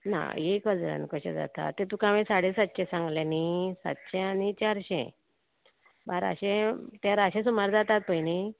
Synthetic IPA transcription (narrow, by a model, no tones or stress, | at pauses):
na̰ekʋəd͡zɾã̰nkəɕḛ̃d͡za̰t̪a̰t̪ːet̪ũkãʋẽsaɽesat̪ːɕẽsãŋɡlẽnisa̰t̪ɕẽanit͡ɕaɾɕɛ̰̃ | baɾa̰ɕẽt̪aɾaɕẽsumaɾd͡zat̪at̪̚pəini